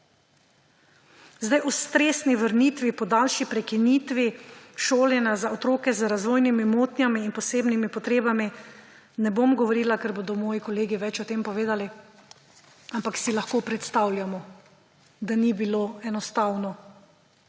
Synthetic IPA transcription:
zd̪ajʔɔst̪ɾeːsniʋəɾniːt̪ʋipɔd̪alʃipɾɛkiniːt̪ʋiʃoːljɛnazaot̪ɾoːkɛzəɾazʋoːjnimimoːt̪nʲjamiːnpɔseːbnimipɔt̪ɾeːbami | nɛbomɡɔʋɔɾiːlakɛɾboːd̪ɔmɔːjikɔleːɡiʋɛt͡ʃɔt̪eːmpɔʋeːd̪ali | ampaksilaxkoːpɾɛt̪st̪awljamɔ | d̪anibiloːɛnɔst̪awnɔ

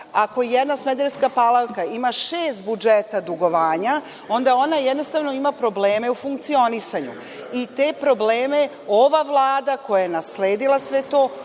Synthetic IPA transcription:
ako̞jed̪nasmed̪eɾskapalˠalkaimaʃeːst̪̚bud͡ʒet̪ad̪uɡo̞ʋaːɲa | o̞nd̪ao̞najed̪no̞st̪aʋno̞imapɾo̞ble̞ːme̞ufuŋkt̪sio̞nisaɲu | it̪e̞pɾo̞bleːme̞ | o̞ʋaʋlˠaːd̪ako̞jajenasle̞ːd̪ilasʋe̞t̪o̞ː

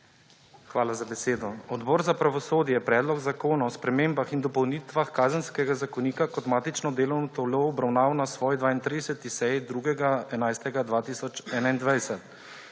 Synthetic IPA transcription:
xʋaːlazabɛseːd̪ɔɔd̪bɔːɾzapɾaʋɔsoːd̪jɛpɾɛːd̪lɔɡzakoːnaɔspɾɛmeːmbaxind̪ɔpɔwniːt̪ʋaxkaːzənskɛɡazakɔniːkakɔt̪maːt̪it͡ʃnɔd̪eːlɔwnɔt̪ɔloɔbɾawnaːwnasʋɔːjd̪ʋaːint̪ɾid̪ɛsɛt̪isɛjid̪ɾuːɡɛɡaɛnajst̪ɛɡad̪ʋaːt̪isɔt͡ʃɛːnaind̪ʋajsɛt̪

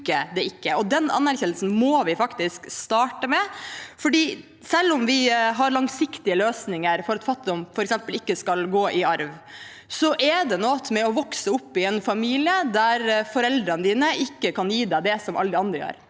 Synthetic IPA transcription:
kəd̪ɛɪkːəɔd̪ɛnɑ̰nːæɾçɛnl̩sn̩mɔːʋɪfɑkt̪ɪskst̪ɑːʈəmɛfɔɖiː | sɛlːɔmʋɪɦɑɾlɑŋsɪkt̪ɪəløːsnɪŋəɾfɔɾɑt̪fɑt̪ːɪd̪ɔmfɔɾɛksɛmpəlɪkːəskɑlɡoːʔɪɑɾʋ | sɔʔɛd̪ɛnɔːt̪mɛɔʋɔksəʊpːɪɛnfɑmiːlɪəd̪æɾfɔɾɛld̪ɾənəd̪iːnəʔɪkːəkʰɑnjiːd̪æd̪ɛsɔmʔɑ̰ld̪ɪɑnd̪ɾəjø̰ːɾ

